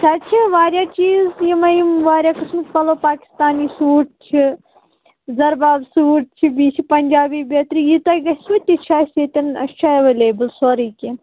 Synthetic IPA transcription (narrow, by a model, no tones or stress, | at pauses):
sat͡ʃʰiʋaːɾʲjaːt͡ʃiːzjimɐjimʋaːɾʲjaːkɨsmɨt̪pɐloːpaːki̥st̪aːniːsuːʈ̚t͡ʃʰi | zɐɾbaːbsuːʈ̚t͡ʃʰibiːt͡ʃʰipɐnʲd͡ʒaːbiːbʲet̪ɾijit̪ɐɡɐsʋɐt̪ʲːit͡ʃʰaːsʲet̪ʲɐnɐ̰ʃt͡ʃʰaeʋeːleːbɨlsoːɾiːkʲi